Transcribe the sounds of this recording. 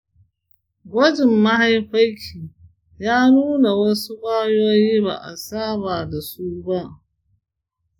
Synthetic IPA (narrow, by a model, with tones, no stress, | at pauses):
ɡʷɐ˦d͡ʒɪ˨mːa˦ha˦jɸa˦jkʲʰiː˨ | jaː˦nuː˦na˨wɐ˦su˦baː˦joː˦jiː˦ba̰˨ʔa̰˨saː˦baː˨da˨su˦ba˦ʔ